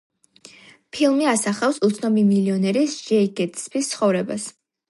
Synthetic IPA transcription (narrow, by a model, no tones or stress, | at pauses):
pʰilˠmiasaχafsut̪sʰnɔmimiliɔnɛɾisd͡ʒɛiɡɛt̪ʰspʰist̪sʰχɔvɾɛbas